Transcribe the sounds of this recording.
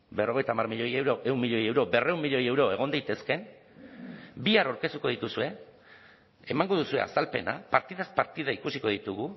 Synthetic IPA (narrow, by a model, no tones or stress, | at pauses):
be̞ro̞ɣ̞ejt̪amarmiʎojewɾoeunmːiʎo̞je̞wɾo̞be̞re̞umːiʎo̞je̞wɾo̞e̞ɣ̞o̞nd̪ajt̪e̞ske̞n | biaɾawɾke̞st̪uko̞ðit̪usue̞ | emaŋɡo̞ðusuea̰salpe̞̰na̰paɾt̪iðaspaɾt̪iðaikusiko̞ð̞it̪uɣu